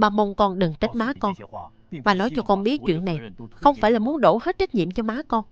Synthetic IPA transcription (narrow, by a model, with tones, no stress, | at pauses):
ɓaː˧mo˧nkɔ˧nɗɨ˨˩ŋt͡ɕə˦˥t̚maː˨˦kɔ˧n | vaː˨˩lɔ˨˦jt͡ɕɔ˧kɔ˧nɓi˦˥ət̚t͡ɕwḭ˧˨ənːa˨˩jxə˧wŋ͡mfaː˧˩jlaː˨˩mu˨˦ənɗo˧˩he˦˥t̚t͡ɕa˦˥k̚ɲḭ˧˨əmt͡ɕɔ˧maː˨˦kɔ˧n